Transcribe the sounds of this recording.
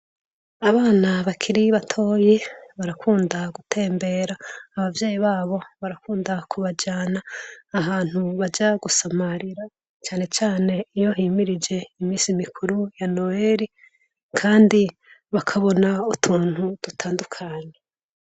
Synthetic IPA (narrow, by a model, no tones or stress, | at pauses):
aβaːnaβakʰiɾiβatʰo̞ːjeβaɾakʰuːndaɡutʰe̞ːmbe̞ɾaːβavje̞ːjiβaːβo̞βaɾakuːndakʰuβad͡ʒaːnaːɦaːn̥huβad͡ʒaɡusamaɾiɾa | t͡ʃaːne̞t͡ʃaːne̞ijo̞ɦiːmiɾid͡ʒe̞imiːsimikʰuɾujano̞eɾi | kʰaːndi | βakʰaβo̞nautʰuːn̥hud̥utʰaːndukʰaːɲe